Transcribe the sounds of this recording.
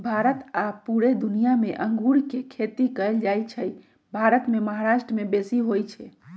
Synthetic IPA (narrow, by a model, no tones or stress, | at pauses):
bʱaɾət̪apuɾed̪unijameʔə̃ŋɡuɾkekʰet̪ikəɪld͡ʒajt͡ʃʰəj | bʱaɾət̪meməɦaɾaʃʈɾəmebesiɦojt͡ʃʰɛ